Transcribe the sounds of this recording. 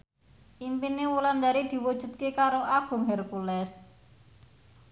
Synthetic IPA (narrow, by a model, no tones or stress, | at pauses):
ʔimpinewuland̪aɾid̪̥i̤wud̥ʒ̥ṳt̪̚kekaɾoʔaɡ̥ʊ̤ŋɦɛrkulɛs